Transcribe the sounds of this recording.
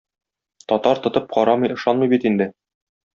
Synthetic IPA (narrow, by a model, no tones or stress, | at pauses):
t̪ɒt̪ɑɾt̪ŏt̪ɤp̚qɒɾɑmɤjɤ̆ʃɑnmɤjbit̪ind̪ɘ